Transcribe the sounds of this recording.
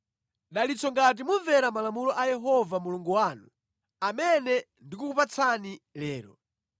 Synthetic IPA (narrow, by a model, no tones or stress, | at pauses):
ɗalit͡sʰɔŋɡat̬imuɱvɛɾamalamulɔʔajɛɦɔvamuluŋɡuwaːnu | amɛnɛ | ndikuupat͡sʰanilɛːɾɔ̰